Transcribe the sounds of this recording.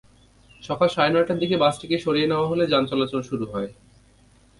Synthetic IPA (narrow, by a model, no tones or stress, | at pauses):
ʃɔkʰalʃaenɔeʈad̪ik̬ebat͡ɕʈʰekeʃoɾijeneoaɦoled͡ʑant͡ɕɔlat͡ɕonʃuɾuɦɔe